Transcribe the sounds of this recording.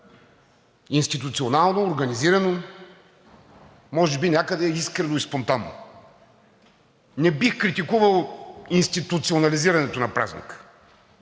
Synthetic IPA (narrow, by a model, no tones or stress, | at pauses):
inst̪it̪ut̪sionalˠnoːɾɡɐniziɾɐno | mɔʒɛbinʲjakəd̪ɛiskɾɛnoispont̪anːo̰ | nɛbixkɾit̪ikuvəlˠinst̪it̪ut̪sionɐliziɾɐnɛt̪onɐpɾa̰znʲḭkə̥